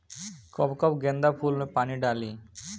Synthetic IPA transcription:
kɔbkɔpɡend̪apʰulmepaniɖali

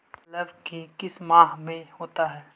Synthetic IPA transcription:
lɐʋkikɪsmaːɦmẽhoːt̪aɦɛː

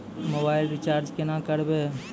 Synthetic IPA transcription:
mobaːɪlɾɪt͡ʃaːɾd͡ʒkɪnãkəɾbe

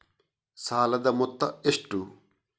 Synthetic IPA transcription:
saːlɐd̪ɐmɔt̪ːɐeʂʈu

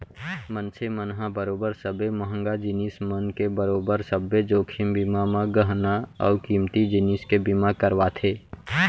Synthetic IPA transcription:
mə̃nsʰemənɦãbəɾoːbəɾsəbeməɦə̃ŋɡad͡ʒɪniːsmənkebəɾoːbəɾsəbed͡ʒoːkʰɪmbɪmamãɡəɦnaɔ̰ːkiːmt̪id͡ʒɪniːskebimakəɾʋat̪ʰeː

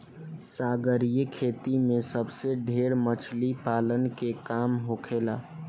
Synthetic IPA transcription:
saːɡəɾijekʰeːt̪imẽsəbseɖʱeːɾmət͡ʃʰlipaːlənkekaːmɦokʰeːlaː

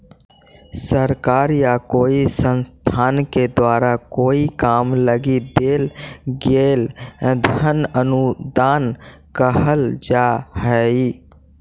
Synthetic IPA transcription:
səɾkaːɾjakoːisənst̪ʰaːnked̪waːɾakoːikaːmləɡid̪eːlɡeːld̪ʱənənud̪aːnkəɦəld͡ʒaːhɛi

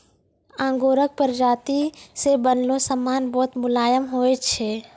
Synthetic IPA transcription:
ãːŋɡoːɾək̚pəɾd͡ʒaːt̪isebənlõsəmːaːnbɔːt̪mʊlaːjəmɦoːet͡ʃʰeː

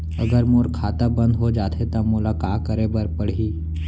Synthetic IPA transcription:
əɡəɾmoːɾkʰaːt̪abə̃nd̪ɦod͡ʒaːt̪ʰet̪amʊlakaːkːəɾẽbəɾpəɽ̤iː

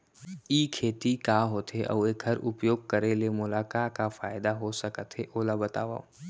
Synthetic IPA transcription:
iːkʰeːt̪ikaːɦoːt̪ɦeʔɔ̰ːeɡʰʱɐɾʊpjoːɡ̚kɐɾelemʊlaːkaːkafaːɪd̪aɦosəkət̪ɦeʔoːlabɐt̪a̰ːʋa̰ː

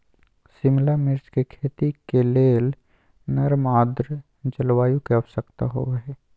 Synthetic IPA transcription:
sɪmlamɪɾt͡ʃkekʰeːt̪ikeleːl | nɐɾmaːd̪ɾ | d͡ʒəlwaːjũkeɐʋsəkt̪aɦo̰ɦɛː

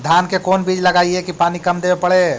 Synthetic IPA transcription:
d̪ʱaːnkekoːnbiːd͡ʒləɡaːiɛkipaːnikɐmd̪eːbepəɽe

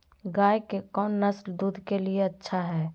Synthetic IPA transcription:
ɡajkekɔːnːəsld̪uːd̪ʱkelieətːʃʰaɦɛː

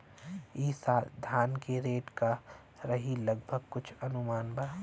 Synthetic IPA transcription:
iːsaːd̪ʱaːnkeɾeːʈka | ɾɐɦilɐɡbʱəɡ̚kʊt͡ʃʰɐnʊmaːnbʱaː

